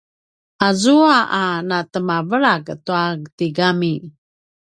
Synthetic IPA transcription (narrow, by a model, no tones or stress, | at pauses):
ʔazuaʔanatəmavəɾaɡtuaɡtiɡami